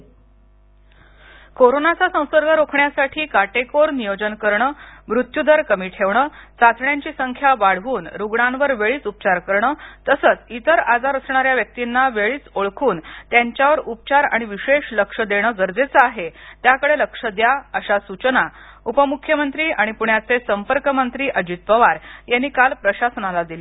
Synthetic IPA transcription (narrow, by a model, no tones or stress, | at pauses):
koɾonat͡sasə̃w̃səɾɡʱəɾokʰɳjasaʈʰiːkaʈekoɾnijod͡ʑənkəɾɳəmɾut̪jud̪əɾkəmiːʈʰeʋɳəːt͡sat̪ʰɳjaɲt͡ɕiːsəŋkʰjaʋaɽ̤ʋuːnɾuɡɳãnʋəɾʋeɭiːt͡sup̚t͡ɕaɾkəɾɳəːt̪əsət͡sit̪əɾad͡zaɾəsɳaɾjaʋjək̚t̪inːaʋeɭiːt͡soɭkʰuːnt̪jaɲt͡ɕjaʋəɾup̚t͡ɕaɾa̰ɽ̃iʋiɕeɕləkʂəd̪eɽ̃əɡəɾd͡zet͡səaɦet̪jakəɽeləkʂəd̪jaəɕasut͡ɕəna | upəmukʰjəmənt̪ɾiːaɽ̃ipuɳjat͡sesəmpəɾkəmənt̪ɾiːʔəd͡ʑit̪̚pəʋaɾjanːiːkalpɾəɕasənalad̪ili